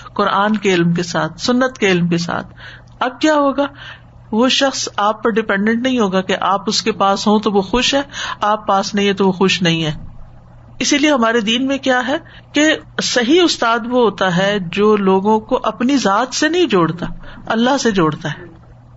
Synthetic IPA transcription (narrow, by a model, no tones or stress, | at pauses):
qʊɾaːnkeɪlmk̬esaːt̪ʰsʊnːət̪keɪlmkes̬a̰ːt̪ʰ | ɐb̚kjaːɦoːɡaː | ʋoʃɐxsaːpːɐɾɖɪpɛ̃ɳɖɛ̃ɳʈnɐɦĩɦoːɡakeʔaːpʊskepaːsɦõt̪oʋoxʊʃɦɛːaːpːaːsnɐɦĩɦɛ̃t̪oʋoxʊʃnɐɦĩɦɛː | ɪsilieɦɐmaːɾed̪iːnmẽkjaːɦɛː | kesɐɦiʊst̪aːd̪ʋoɦoːt̪aɦɛd͡ʒoːloːɡõkoʔɐpnizaːt̪senɐɦĩd͡ʒoːɽt̪aːɐlːaɦsed͡ʒoːɽt̪aɦɛː